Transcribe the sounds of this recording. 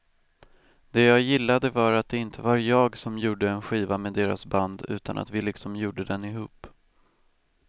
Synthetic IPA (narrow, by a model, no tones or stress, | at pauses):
d̪ɛjɑːɡjɪlːad̪əvaɾat̪̚d̪ɛɪnt̪ʰəvaɾjɑːɡsɔmjuːɖəɛnɧiːvameːd̪eːɾa̰sband̪ʉ̟̰ːt̪ʰa̰na̰t̪vɪlɪksɔmjuːɖəd̪ɛnɪɦṵːp